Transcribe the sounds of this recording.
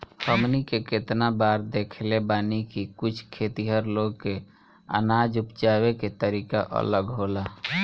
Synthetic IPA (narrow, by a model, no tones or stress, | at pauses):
həmnikeket̪nabaːɾd̪ekʰlebaːnikikʊt͡ʃʰkʰet̪iɦəɾloɡke | ə̰nad͡ʒupt͡ʃaːweket̪əɾiːkaʔə̰ləɡɦola